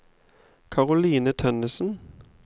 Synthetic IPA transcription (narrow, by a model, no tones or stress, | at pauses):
kʰɑʁʊliːnət̪ʰœnəsn̩